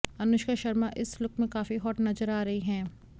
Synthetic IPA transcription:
ɐnʊʃkaʃɐɾmaʔɪslʊkmẽkaːfiɦɔːʈnɐzəɾaːɾɐɦiɦɛ̃ː

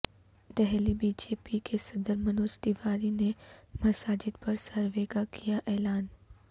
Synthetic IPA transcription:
d̪ɛɦlibiːd͡ʒeːpikesɐd̪əɾmɐnoːst̪iʋaːɾinemɐsaːd͡ʒɪd̪pɐɾsɐɾʋeːɡakijaʔɛːlaːn

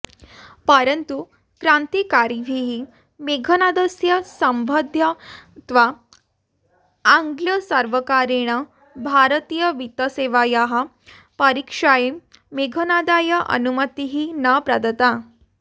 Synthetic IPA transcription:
pəɾənt̪u | kɾant̪ikaɾiʋʱiɦi | meɡʱənad̪əsjəsəmbʱəd̪ʱjət̪ʋa | ŋɡljəsəɾʋəkaɾeɽ̃ə | bʱaɾət̪iːjəʋit̪əseʋajaɦa | pəɾikʂaje | meɡʱənad̪ajəʔə̰numət̪iɦinapɾad̪ət̪a

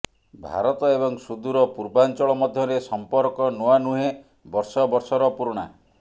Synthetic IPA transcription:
bʱa̰ɾɔt̪ɔebɔŋsud̪uɾɔpuɾbant͡ʃɔɭɔmɔd̪ʱjɔɾesɔmpɔɾkɔnuanuɦe | bɔɾsɔbɔɾsɔɾɔpuɾuɽ̃a

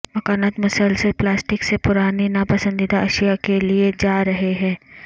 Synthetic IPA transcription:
mɐkaːnaːt̪mʊsəlsəlplaːsʈɪksepʊɾaːninapɐsə̃nd̪id̪aɐʃijakelied͡ʒaːɾɐɦeɦɛ̃ː

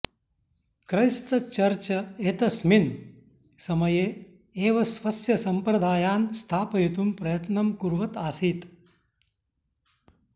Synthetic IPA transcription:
kɾɐjst̪ɐt͡ʃɐɾt͡ʃɐet̪ɐsmin | sɐmɐjeː | eːʋɐsʋɐsjɐsɐmpɾɐd̪ʱaːjaːnst̪ʰaːpɐjit̪umpɾɐjɐt̪nɐmkuɾʋɐt̪aːsiːt̪

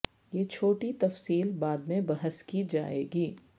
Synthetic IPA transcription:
jeːt͡ʃʰoːʈit̪ɐfsiːlbaːd̪mẽbɐɦəskid͡ʒa̰ːḛːɡiː

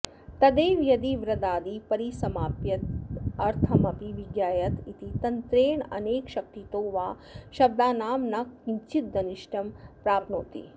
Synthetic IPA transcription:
t̪ɐd̪eːʋjɐd̪iʋɾɐd̪aːd̪ipɐɾisɐmaːpjɐt̪ɐɾt̪ʰɐmɐpiʋiɡjaːjɐt̪it̪it̪ɐnt̪ɾeːɳɐ̰neːkʃɐk̚t̪it̪oːʋaː | ʃɐb̚d̪aːnaːmnɐkːiɲt͡ʃit̪̚d̪ɐniʃʈɐmpɾaːpnoːt̪ḭ

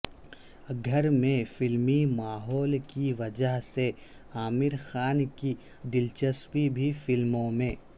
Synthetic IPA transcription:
ɡʱɐɾmẽfɪlmimaːɦɔːlkiʋɐd͡ʒəɦse | aːmɪɾxaːnki | d̪ɪlt͡ʃəspibʱifɪlmõmẽː

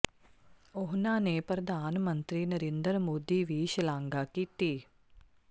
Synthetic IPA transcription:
oɦnaːnepɾɐd̪ʱaːnɐmɐnt̪ɾinɐɾend̪əɾmoːd̪iʋiːʃɐlaːŋɡaːkit̪i

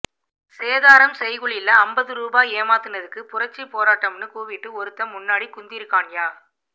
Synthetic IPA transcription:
seːðaːɾɐmsɛjɣɯɭɪlːɐɐmbɐðɯɾuːbaːeːmaːt̪ːɯnɐðɯkːɯpʊrɐt͡ʃːipoːɾaːʈːɐmnɯkuːʋɪʈːɯɔɾɯt̪ːɐmːʊnːaːɽikːʊnd̪ɪɾɯkːaːŋjaː

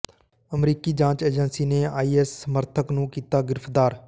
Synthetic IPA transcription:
əmɾiːkiːd͡ʒãːt͡ʃeːd͡ʒənsiːneːaːiːɛːsːəməɾt̪ʰəknũːkiːt̪aːɡɪɾəfd̪aːɾ

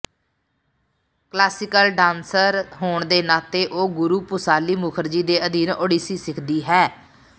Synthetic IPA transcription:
klaːsɪkəlɖãːnsəɾɦoːɳd̪eːnaːt̪eːʔoːɡʊɾuːpʊsaːliːmʊkʰəɾd͡ʒiːd̪eːʔəd̪iːnoːɖiːsiːsɪkʰd̪iːɦɛː

